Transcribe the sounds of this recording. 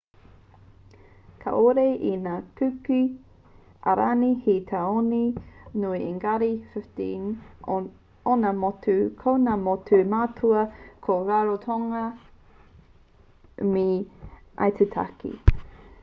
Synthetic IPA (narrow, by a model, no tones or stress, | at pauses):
kʰɐ̰ʔoɾejʔinaːkʉki | ʔa̰ɾanihit̪ʰaoninuiʔeŋɡaɾifɪftin | onamotʉkʰownamotʉmatʰuɐkʰoɾaɾotʰoŋɐ | miʔa̰jt̪etʰa̰kḭ